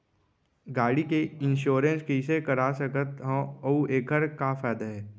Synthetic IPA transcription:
ɡaːɽikeɪnʃoːɾẽnskesekɐɾaːsəkət̪ɦə̃ɐuʔeːkəɾkafɛːd̪aɦɛː

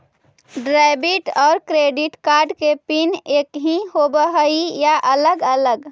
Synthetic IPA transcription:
ɖɾaɪbiʈɔːɾkɾeːɖɪʈkaːɾɖkepineːkɦĩhobəɦəijaʔələɡələɡ

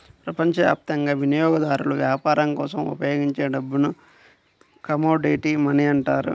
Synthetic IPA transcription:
pɾɐpɐɲt͡ʃɐʋja̰ːp̚t̪ɐŋɡaːʋinijɔːɡɐd̪aːɾuluʋjaːpaːɾɐŋkɔ̰ːsɐmṵpɐjoːɡiɲt͡ʃeːɖɐbːunu | kɐmoːɖeːʈimɐniɐɳʈaːɾṵ

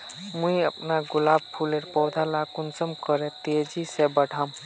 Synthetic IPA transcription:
mũiəpnaɡulab̚pʰuleɾpɔwd̪ʱalakunsəmkəɾet̪ed͡ʒisebəɽʱam

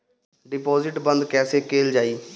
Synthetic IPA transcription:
ɖɪpɔːzɪʈbə̃nd̪kɛːseːkeːld͡ʒaːiː

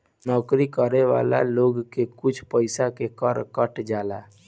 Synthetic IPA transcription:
nɔːkɾikəɾeʋa̰ːla̰loːɡkekʊt͡ʃʰpəɪsakekəɾkəʈd͡ʒaːla̰

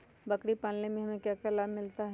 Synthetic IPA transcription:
bɐkɽipãːnlẽmẽɦɐmẽkjaːkɐlaːbmɪlt̪aɦ

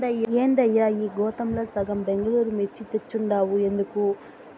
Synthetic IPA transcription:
d̪ɐjeːnd̪ɐjːaːiːɡɔːt̪ɐmloːsɐɡɐmbe̞ŋɡɐɭuːɾumet͡ʃːit̪eɾt͡ʃːuɳɖaːwue̞nd̪uku

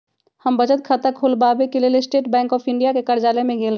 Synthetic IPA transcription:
həmbəd͡ʒət̪̚kʰət̪əkʰulbabekeleːlesʈeːʈbɛ̃ːŋkɔːpʰɪ̃ɳɖijakekəɾd͡ʒaːlemẽɡeːlɾ

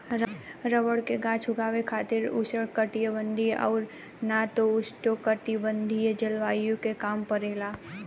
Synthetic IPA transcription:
ɾəɾəʋəɽkeɡãːt͡ʃʰʊɡaːʋekʰaːt̪ɪɾʊsəɽkəʈijəbə̃nd̪ʱiʔɔ̰ːɾ | nat̪oʊsʈokəʈibə̃nd̪ʱied͡ʒɐlʋaːjõkekaːmpəɾeːlaː

